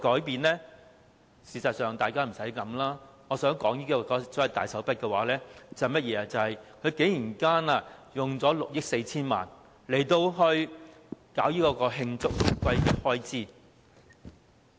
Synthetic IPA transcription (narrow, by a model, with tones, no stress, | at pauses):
kɔː˨˥jpiː˨nlɛ˥ | siː˨˩sɐ˨t̚sœː˨ŋt̪aː˨jkaː˥m̩˨˩sɐ˨˥jkɐ˨˥mlaː˥ | ŋɔː˨˧sœː˨˥ŋkɔː˨˥ŋjiː˥kɔː˧kɔː˧sɔː˨˥jɐ˨˩wt̪a̰ː˨jsɐ˨˥wpɐ˥t̚kɛ˧waː˨˥lɛː˥t͡sɐ˨hɐ˨jmɐ˥t̚jɛː˨˧a˧t͡sɐ˨˧hɐ˨jkʰɵ˨˧ɥke˨˥jiː˨˩nkaː˥na˧jʊ˨ŋt͡sɔː˨˥lʊ˨k̚jɪ˥k̚se˧jt͡sʰiː˥nma̰ː˨n | le˨˩jt̪o˧wɦɵ˧ɥ | kaː˨˥wjiː˥kɔː˧kɔː˧ɦɪ˧ŋt͡sʊ˥k̚kʷɐ˧j̚hɔː˥jt͡siː˥˩